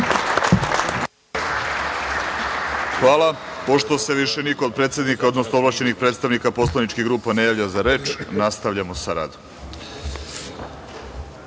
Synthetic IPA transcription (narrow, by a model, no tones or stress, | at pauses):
xʋaːlapo̞ʃt̪o̞se̞ʋiʃe̞nikood̪̚pɾet̪sjed̪nikaod̪no̞snoʋlaɕt͡ɕe̞nixpɾet̪st̪aʋnikapo̞slanit͡ʃkiɣɡɾuːpanajaːʋʎazaɾe̞ːt͡ʃnast̪aʋʎamo̞saɾa̰ːd̪om